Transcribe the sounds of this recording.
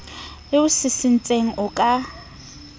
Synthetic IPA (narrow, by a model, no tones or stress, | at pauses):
lɪʊsɪsɪn̩t͡sʼeŋ̩ʔʊkʼa